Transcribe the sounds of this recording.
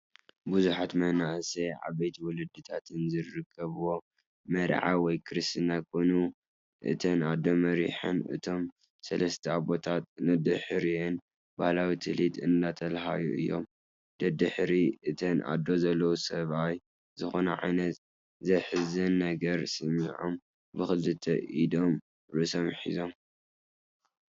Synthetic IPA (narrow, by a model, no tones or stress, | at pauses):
buzuħat̪mɐhnaʔseʕa̰βɐjt̪ʰiwɔlɨd̪ːɨt̪ʰat̪ʰɨnzɨɾɨkʰːɐβuwo̞ | mɐɾʕa̰wɔjkʰɨɾɨst̪ɨnakʰonu | ʔɨ̰t̪ʰɐnad̪ːo̞mɐɾḭħɨ̰nɨ̰t̪ʰo̞m | sɐlɐst̪ʰɐaβo̞t̪ʰat̪̚nɨd̪ɨħɨɾiɛn | bahlawit̪ʰɨlit̪ɨ̰nd̪at̪ʰɐlɦa̰juʔɨjːo̞̰m | d̪̥ɐd̪ɨħɾiɨt̪ʰɐnʔa̰d̪ːo̞zɐlːɐwusɐβaj | zɨxo̞nɐ̰ʕa̰jnɐt̪ | zɐjħɨzɨnːɐɡɐɾsɨmiʕo̰m | bɨxɨlɨt̪ʰɐ̰ʔid̪o̞m | ɾɨso̞mħḭzo̞m